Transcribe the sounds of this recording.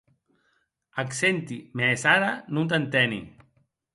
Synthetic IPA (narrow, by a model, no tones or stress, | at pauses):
aksent̪imeːsaɾanũnt̪̬ant̪ɛnḭ